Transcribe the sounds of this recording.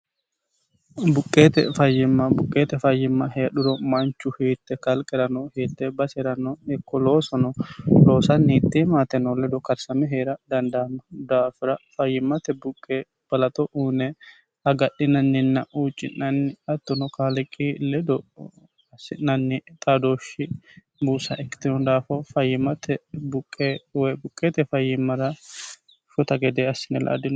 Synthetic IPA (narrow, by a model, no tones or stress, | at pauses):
bʊkʼːeːt̪ɛ̰fɐjːɪmːɐbʊkʼːeːt̪ɛfɐjːɪmːɐhɛjɐɗʊɾɔmɐnt͡ʃːʊheːt̪ːɛkɐlkʼɛɾɐnɔheːt̪ːɛbɐsɛɾɐnɔɛkːɔlo̞ːsɔnɔlo̞ːsɐnːiːt̪ːimaːt̪ɛnɔlɛd̪ɔkɐɾsɐmɛɦeːɾɐd̪ɐnd̪aːmɐd̪aːfɪɾɐfɐjːɪmːɐt̪ɛbʊkʼːeː | b̥ɐlɐt̪ɔʔuːnɛ | hɐɡɐɗːɪnɐnːɪnːɐʔuːt͡ʃʼːɪnnɐnːɪɐt̪ːɔnɔkaːlɪkʼːilɛd̪ɔ | ɐsːɪnnɐnːɪt̪ʼaːd̪oːʃɪ | buːsɐʔɛkːɪ̥t̪ɪnɔd̪aːfɐfɐjːɪmɐt̪ʰɛbʊkʼːeːwɔjbʊkʼːeːt̪ɛfɐjːɪmːɐɾɐ | ʃɔt̪ɐɡɛd̪eːɐsːɪnɛlʔɐ̰ːd̪ɪn